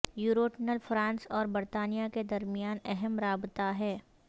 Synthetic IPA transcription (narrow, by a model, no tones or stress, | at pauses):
juːɾoːʈnəlfʰɾãːnsɔːɾbɐɾt̪aːnijaked̪ɐɾmijaːnɛɦɛmɾaːbt̪aɦɛː